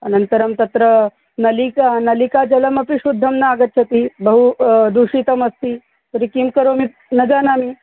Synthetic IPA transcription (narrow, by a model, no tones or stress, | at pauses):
ɐnənt̪əɾəmt̪ɐt̪ɾə | nɐlikanɐlikad͡ʒɐləmɐpiɕud̪ʱːɐmnaaɡət̪̚t͡ʃʰɐt̪ibəɦud̪uʂit̪ɐmɐst̪iː | t̪ɐɾikimkəɾomi | nɐd͡ʒanami